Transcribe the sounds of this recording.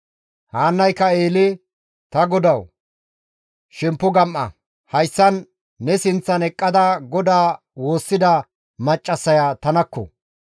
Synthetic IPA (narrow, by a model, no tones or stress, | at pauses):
haːnːɐjkːɐe̞ːlɪ | t̪ɐɡɔd̪ɐw | ʃɛmpːʊɡɐmʔːɐ̰ | hɐjsːɐnː | ɛsɪnt͡sːɐnɛkʼːɐd̪ɐɡɔd̪aː | wo̞ːsːɪd̪ɐ | mɐt͡ʃʼːɐsːɐjaːt̪ɐnɐkːɔ̰